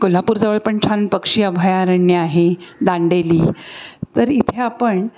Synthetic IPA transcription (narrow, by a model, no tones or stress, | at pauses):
kolapuːɾd͡zəʋəɭpəɳt͡ɕʰanpəkʂiːəbʱajaɾəɳjəaɦed̪aɳɖeliːt̪əɾit̪ʰeapəɳ